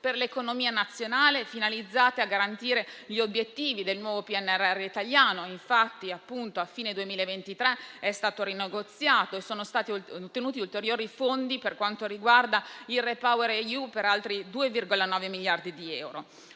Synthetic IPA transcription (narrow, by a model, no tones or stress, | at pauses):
perlekonomiːanat̪sːjonaːlefinalid̪zːaːt̪eaɡːaɾant̪iːɾeʎiobjet̪ːiːvid̪elnwɔːvopiɛnːɛrːɛrːeit̪aʎjaːnoiɱfat̪ːiapːunt̪oafːiːned̪uemiːlaevent̪it̪ɾɛɛst̪aːt̪oɾineɡot̪sjaːt̪oesoːnost̪aːt̪it̪ːenuːt̪iult̪eɾjoːɾifond̪iperkwant̪oɾiɡward̪ailrepaweɾejupeɾalt̪ɾid̪uːevirɡolanɔːvemiljard̪id̪iɛwɾo